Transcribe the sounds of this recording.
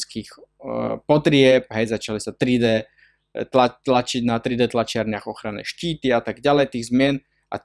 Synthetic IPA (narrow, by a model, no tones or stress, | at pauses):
skiːxpɔt̪ɾɪɛp̚ɦɛjzat͡ʃalisat̪ɾid̪ɛː | t̪lalat͡ʃiɟnat̪ɾid̪ɛːt̪lat͡ʃɪaɾɲɪaɣɔxɾanɛ̰ːʃciːt̪iat̪aɡɟalɛjt̪iːɣzmɪɛn | ʔa̰